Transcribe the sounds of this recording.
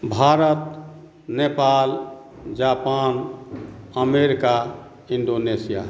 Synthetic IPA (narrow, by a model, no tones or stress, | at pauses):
bʱaɾət̪ | nepal | d͡ʒapan | əmeɾika | iɳɖonesija̰